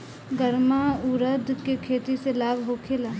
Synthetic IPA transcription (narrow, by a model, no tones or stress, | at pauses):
ɡəɾmauɾəd̪ʱkekʰeːt̪iselaːbʱɦokʰelaː